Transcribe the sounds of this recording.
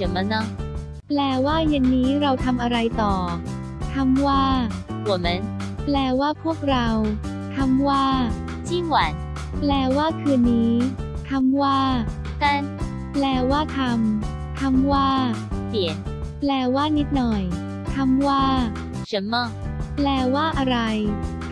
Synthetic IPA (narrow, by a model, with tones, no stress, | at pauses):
a˨˦nma˧˥nɔ˧˥˩ | plɛː˧waː˥˩je˧nːiː˦˥ɾa˧wt̪ʰa˧mʔa˧ɾa˧jt̪ɔː˨˩ | t̪ʰa˧mwaː˥˩ku˨˩˦me˦˥n | plɛː˧waː˥˩pʰu˥˩ək̚ɾa˧w | t̪ʰa˧mwaː˥˩ | t͡ɕʰiː˥˩ŋwa˨˩˦n | plɛː˧waː˥˩kʰɯː˧nːiː˦˥t̪ʰa˧mwaː˥˩ | t̪ʰa˥˩n | plɛː˧waː˥˩t̪ʰa˧m | t̪ʰa˧mwaː˥˩pi˩˦ən | plɛː˧waː˥˩ni˦˥t̪̚nɔ˨˩j | t̪ʰa˧mwaː˥˩ | ɕa˦˥nmɔ˥˩ | plɛː˧waː˥˩ʔa˧ɾa˧j